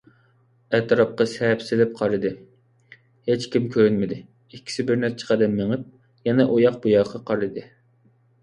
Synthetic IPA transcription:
ɛt̪ʰɨɾɑp̚qɑsɛpsɪlɪp̚qʰɑɾɨd̪ɨ | het͡ʃkʲimkʲʰøɾynmɪd̪ɪ | ikʲːi̥sɪbɪɾnæɾt͡ʃʰɛ̥qʰæd̪ɛnːeŋɪp̚ | jɛnɛʔojɑq̚bujɑːqʰɑqʰɑɾɨd̪ɨ

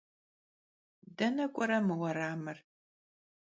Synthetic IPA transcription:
dɐnɐkʷʼɔɾɐmɨwɐɾaːmɨr

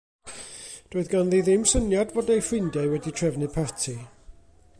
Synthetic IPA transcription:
d̥oɨðɡanðiðɪmsənjadvɔdajfɪndjajwɛditʰrɛvnɨpʰatʰi

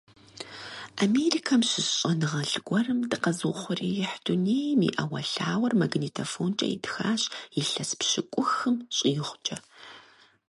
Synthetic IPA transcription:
ʔameriːkʰɐmɕɪsɕʼɐnɨʁɐɬɡʷɔrɨmdɨqɐzɨwχʷʊriːjɪħduneːjmḭːʔɐwɐɬaːwɐrmaɡniːtʰɐfoːnt͡ʃʼɐ̰jḭdxaːɕʼjɪɬɐspɕɪkʷʼʊxɨmɕʼiːχʷt͡ʃʼɐ

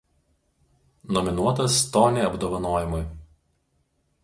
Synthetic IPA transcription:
nɔmʲɪnuɔt̪ɐst̪ɔːnʲeːɐbd̪oːʋɐnoːjɪmʊj

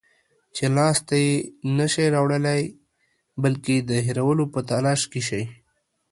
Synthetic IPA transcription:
t͡ʃelɑst̪ajenaʃeɾɑwɽəlaj | bəlked̪əɦiɾawəlopət̪alɑːʃkeʃaj

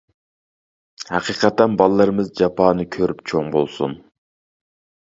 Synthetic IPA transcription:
hɑqiːqʰɑt̪ːɛnbɑlˠlːˠɑɾɨmɨzd͡ʒɑpʰɑːnɨkʲʰøɾypt͡ʃʰoŋbo̰lˠsṵn

